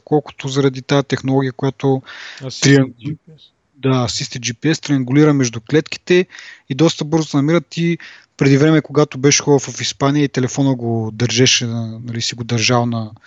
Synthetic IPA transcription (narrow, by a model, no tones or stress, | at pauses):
kɔlˠkʊ̥t̪ozɐɾɐd̪it̪ajɛt̪ɛxnolˠɔɡʲijəkʊjat̪ot̪ɾiɐŋ | d̪asist̪id͡ʒipiɛst̪ɾiɐŋɡuliɾəmɛʒd̪ʊklɛt̪k̟i̥t̪ɛid̪ɔst̪əbɤɾzʊsɛnɐmiɾət̪ipɾɛd̪ivɾɛmɛkoɡat̪obɛʃxɔɾəfvɐfispanijəit̪ɛlɛfɔnəɡod̪ɐɾʒɛʃɛnɐnɐlisiɡod̪ɐɾʒalnɐ